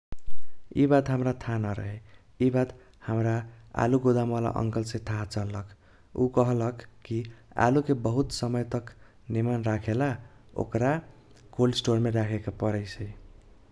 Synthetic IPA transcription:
ḭbat̪ɦəmɾat̪ʰanʌɾʌ̰ɦe | ibat̪ | həmɾa | a̰luɡod̪amʌla̰ʔʌ̰ŋkʌlsẽt̪ʰat͡sʌlːʌkʰ | ṵkʌɦlʌkʰkːia̰lukebʌɦut̪sʌmʌjt̪ʌk | nimanɾakʰela | o̰kɾa | kolsʈoɾmeɾakʰekapʌɾəjsʰʌi

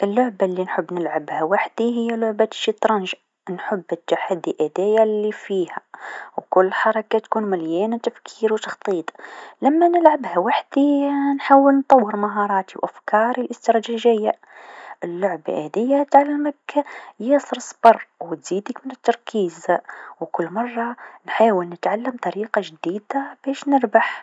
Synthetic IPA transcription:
ʔɪlːʊʕbalːinħʊbːnɪlʕabhawaħd̪̥iɦɪjːalʊʕbaʃːit̪ˤɾˤɑnʒ | nħʊbːɪt̪ːaħad̪ːiʔad̪æːjalːifiːhæ̰wkʊlːħɑɾˤɑkat̪kuːnmæljæːnt̪afkʰiːɾwt̪ɑ̥xt̪ˤiːt̪ˤlamːanɪlʕabhæwaħd̪inħaːwɪlnt̪ˤɑwːəɾmaɦɑːɾˤɑːt̪iwʔafkɑːɾilʔɪst̪ɪɾˤɑʒaʒɪjːa | ʔɪlːʊʕbʔæ̰ːd̪ɪjːat̪ʕalːməkjesˤɾɨsˤbɑrˤwt̪z̥iːd̪əkmɪnɪt̪ːɑɾˤkʰiːzwkʊlːmɑrˤːɑnħaːwɪlnɪt̪ʕalːəmt̪ˤɑɾiːqɑʒd̪iːd̪ab̥æːʃnɪɾbaħ

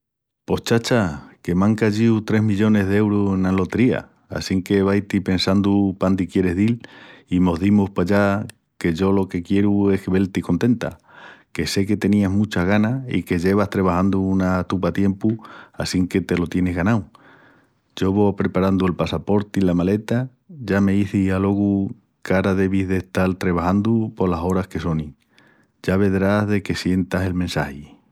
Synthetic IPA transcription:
po̞ht͡ʃat͡ʃake̞mãŋkaʝiut̪ɾe̞ɦmiʎo̞ne̞ɦðee̞wɾusenalo̞t̪eɾia̰ | a̰siŋke̞βajt̪ipe̞nsand̪upand̪ikje̞ɾe̞ɦðilimo̞ɦðimuhpaʎa | ke̞ʝo̞lo̞ke̞kje̞ɾue̞hkeβe̞lt̪iko̞nt̪e̞nt̪a̰ke̞se̞ke̞t̪e̞niazmut͡ʃaɣanaḭke̞ʝe̞βaht̪ɾeβ̞ahand̪uunat̪upat̪je̞mpuasiŋke̞t̪e̞lo̞t̪je̞neɦɣanaw | ɟ͡ʝo̞βo̞pɾe̞paɾand̪ue̞lpasapo̞ɾt̪ilamale̞t̪a | ʝame̞iθialo̞ɣu | kaɾaðe̞β̞iðe̞ht̪alt̪ɾeβ̞ahand̪upo̞laso̞ɾahkeso̞ni | ɟ͡ʝaβ̞e̞ðɾazðe̞ke̞sje̞nt̪ase̞lmensahi

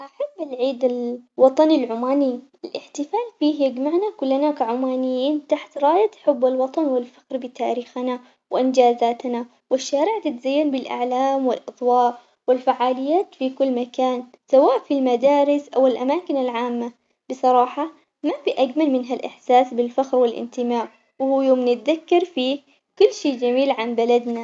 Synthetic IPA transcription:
ʔaħabːɪlʕiːd̪ɪlwɑt̪ˤɑnɪlʕʊmaːniʔɪlʔɪ̰ħt̪ɪfaːlfiːjad͡ʒmaʕnakʊlːanakaʕʊmaːnɪjːiːnt̪aħt̪ɾˤɑːjat̪ħʊbːɪlwɑt̪ˤɑnwɪlfḁkɾbɪt̪aːɾiːxana | wɪʔɪnd͡ʒaːzaːt̪na | wɪʃːaːɾɪʕt̪ɪt̪zajːanbɪlʔa̰ʕlaːmwɪ̰lʔɑt̪ˤwɑːʔ | wɪlfaʕːaːlɪjːaːt̪fikʊlːmakaːn | sawaːʔfilmad̪aːɾɪsʔawɪlʔamaːkɪnalʕaːmːa | b̥ɨsˤɑɾˤɑːħɑ | mabiʔaɡmalmɪnɦalʔɪ̰ħsaːsbɪlfaxɾwɪlʔɪ̰nt̪ɪmaːʕ | whuːjoːmnɪt̪̚ðakːɑɾˤfiː | kʊlːʃiːd͡ʒamiːlʕanbalad̪na

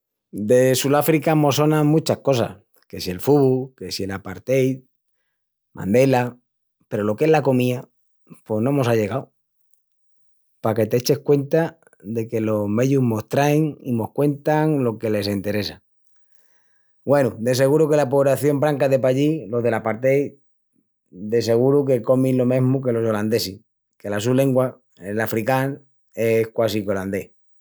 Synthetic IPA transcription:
d̪e̞sulafɾikamo̞so̞nãmũt͡ʃahko̞sa̰ | ke̞sie̞lfuβuke̞sie̞lapaɾt̪ej | mã̰nd̪e̞la | pe̞ɾo̞lo̞ke̞ɦlako̞mia | pwo̞ɦnõ̞mo̞saʎe̞ɣaw | pake̞t̪e̞et͡ʃe̞hkwe̞nt̪a | ðe̞ke̞lo̞ɦme̞ʝuɦmo̞st̪ɾaeŋimo̞hkwe̞nt̪aŋlo̞ke̞le̞s̬e̞nt̪e̞ɾe̞sa | ɡwe̞nud̪e̞se̞ɣuɾuke̞lapoβɾaθjo̞mbɾaŋkaðe̞paʎilo̞ðe̞lapaɾt̪e̞j | d̪e̞s̬e̞ɣ̞uɾuke̞ko̞milo̞mẽ̞ɦmuk̬e̞lo̞so̞land̪e̞si | ke̞las̬ule̞ŋɡwa | elafɾikan | e̞hkwas̬iko̞land̪e̞h

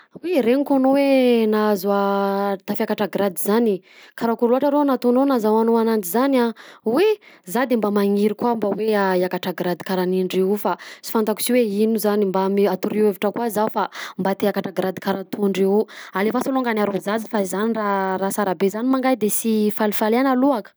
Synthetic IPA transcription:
wiɾeŋikonowenazuat̪afakaʈ͡ʂaɡɾad̪izani | kaɾakuɾluaʈ͡ʂaɾenat̪ononazawanoanantizanawezad̪embamaŋiɾikwambaweaiakaʈ͡ʂaɡɾad̪ikaɾaniɳɖ͡ʐiufasi̥fant̪aku̥siweinuzanimbamiat̪uɾiweviʈ͡ʂəkwazaufambat̪eakaʈ͡ʂaɡɾad̪ikaɾant̪uɳɖ͡ʐiualefasoluŋɡanaɾozad͡zifaizanirarasaɾabezanimaŋɡajd̪esifalifaleanaluakə̥

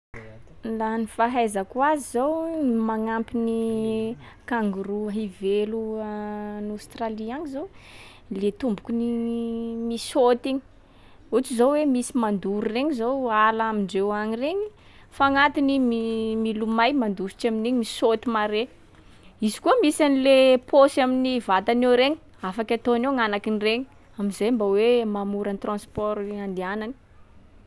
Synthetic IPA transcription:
lanifaɦajzakwazizowmaŋampini | kaŋɡuruɦiveluanawst̪raliaɲizow | let̪umbukʲuni | misot̪iɲi̥ | ut͡sizowwemisimand̪uɾureɲizowalaamiɳɖ͡ʐewaɲireɲi | faŋat̪inimimilumajmand̪usi̥ʈ͡ʂamineɲimisot̪imaɾe | izi̥kuəmisanilepʰosaminivat̪anewɾeɲi | afakʲat̪oneŋanakinireɲi | aminzejmbawemamuɾanit̪rãspɔɾand̪ianani̥

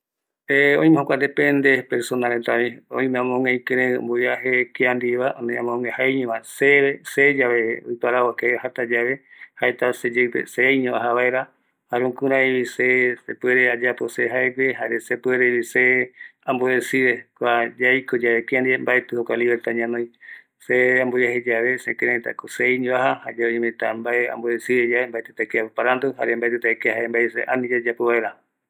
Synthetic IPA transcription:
eõĩmẽhokʷanepend̪epeɾsonaɾet̪aβĩõ̰ĩmẽãmõŋeĩkeɾẽɨ̰̃mboiaɦekeand̪iβaʔõmẽãmõŋɡẽhaɲõβãseβesed͡ʒaβeojpaɾawakehat̪ad͡ʒaβehaet̪ased͡ʒepḛsejɲõʔaɦaβaeɾa | haɾũŋkuɾãiβisesepweɾead͡ʒaposeɦaeɡeɦaɾesepweɾeβiseamboesiɾekʷad͡ʒajkod͡ʒaβekeand̪iembaet̪ɨhokʷaliβeɾt̪aɲãnõj̃ | seãmbojaɦed͡ʒaβesẽkeɾãit̪a̰kosejɲõaɦahad͡ʒaeɲẽmẽt̪ambaea̰mboesiɾed͡ʒaβembaet̪ɨt̪akeapopaɾand̪uɦa̰ɾembaet̪ut̪aekehaembaesḛʔanĩd͡ʒad͡ʒapoβaeɾa

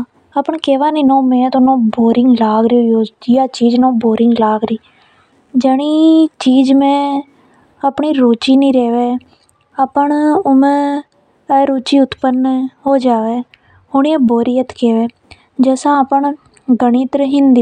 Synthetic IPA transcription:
apəɳkeːʋaːniːnõːmẽːt̪onõːboːɾɪ̃ŋɡlaːɡɾũːjoːd͡ʒijaːt͡ʃiːd͡ʒnõːboːɾɪŋɡlaːɡɾiː | d͡ʒɛːɽ̃iːt͡ʃiːd͡ʒmẽː | apɳiːɾoːt͡ʃiːnĩːɾɛːʋeː | aːpəɳʊmẽː | ɾoːt͡ʃiːʊt̪pənːɦoːd͡ʒaːʋeː | hoːɳiːẽːboːɾiːət̪keːʋeː | d͡ʒɛːsãːpəɳ | ɡəɳ̃iːt̪əɾɦɪ̃nd̪iː

